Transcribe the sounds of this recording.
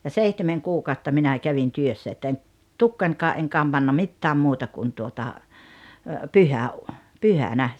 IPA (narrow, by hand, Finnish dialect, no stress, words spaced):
jɑ seihtemeŋ kuːkɑˑotːɑ minæˑ kæʋin tyøsːæ etːæ en tukːɑnʲkɑːʔ ʔeŋ kɑmb̥ɑnːɑ mitːæːm muːtɑ kun tuotɑ pyhæu pyhænæ